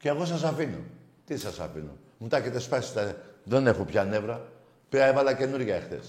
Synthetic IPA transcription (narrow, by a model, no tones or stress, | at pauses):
ceːɣo̞s̬ɐs̬afino̰ | t̪isɐsa̰fḭno̰ | mut̪ɐcet̪espasi̥t̪ɐðe̞ne̞xopçɐne̞vɾɐ | piɐevɐlɐce̞nuɾʝɐexθe̞̰s